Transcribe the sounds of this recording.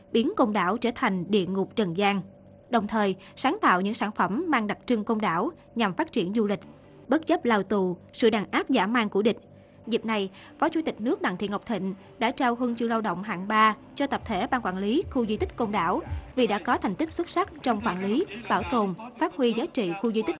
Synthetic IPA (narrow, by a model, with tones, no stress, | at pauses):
ɓi˨˦ənko˧mɗa̰ː˧˩wt͡ɕəː˧˩t̪ʰa˨˩jŋ̟ɗḭ˧˨əŋʊ˨˩k͡p̚t͡ɕə˨˩nzaː˧ŋ | ɗə˨˩wŋ͡mt̪ʰəː˨˩j | saː˨˦nt̪a̰ː˧˨wɲɨ̰˧˥ŋsaː˧˩nfə˧˩mːaː˧ŋɗa˨˩k̚t͡ɕɨ˧ŋko˧mɗaː˧˩w | ɲa˨˩mfaː˦˥t̚t͡ɕi˧˩ənzu˧lï˨˩k̟̚ | ɓə˦˥t̚zə˦˥p̚laː˧wt̪u˧˩sɨ̰˧˨ɗaː˨˩ŋʔaː˦˥p̚za̰ː˧˩maː˧ŋku˧˩əɗï˨˩k̟̚ | zi˨˩p̚na˨˩j | fɔ˨˦t͡ɕu˧˦t̪ï˨˩k̟̚nɨ˦˥ək̚ɗa̰˧˨ŋt̪ḭ˧˨əŋɦk͡p̚t̪ʰḭ̈˧˨ŋ̟ | ɗa̰ː˧˥t͡ɕaː˧wɦɨ˧əŋt͡ɕɨ˧laː˧wɗə̰˧˨wŋ͡mɦa̰ː˧˨ŋɓaː˧ | t͡ɕɔ˧t̪ə˨˩p̚t̪ʰe˧˩ɓaː˧ŋkwaː˧˩nli˨˦xu˧zi˧t̪ï˦˥k̚ko˧mɗaː˧˩wvi˨˩ɗa̰ː˧˥kɔ˨˦t̪ʰɛ˨˩jŋ̟t̪i˦˥k̚swə˦˥t̚sa˦˥k̚t͡ɕɔ˧wŋ͡mkwaː˧˩nli˨˦ɓaː˧˩wt̪o˨˩nfaː˦˥t̚hwi˧zaː˨˦jt͡ɕḭ˧˨xu˧zi˧t̪ï˦˥k̚